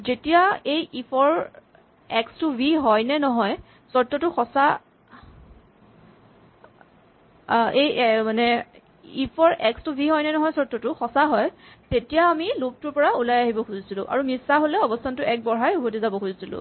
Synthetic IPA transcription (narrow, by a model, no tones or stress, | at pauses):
zetijaejipʰɔɹ | ɛkstʊbʱiɦɔjnɛnɔɦɔj | sɔtːɔtʊxɔsa | ejmanɛ | ipʰɔɹɛkstʊbʱiɦɔjnɛnɔɦɔjsɔɹtːɔtʊxɔsaɦɔjtetijaːmilok̚tʊɹpɔɹaulajaɦibɔxuzisilʊ̃ʔa̰ɹumisaɦolɛɔbɔstʰantʊɛk̚bɔɹɦajubotizabɔkʰuzisilʊ̰̃